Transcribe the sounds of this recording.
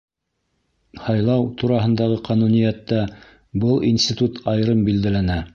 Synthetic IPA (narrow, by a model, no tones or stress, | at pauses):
hɑjlˠɑwt̪uɾɑɦɤ̆nd̪ɑʁɤqʰɑnunijæt̪ːæ | bɤlˠinsʲt̪ʲit̪ut̪ɑjɾɤmbild̪ælænæ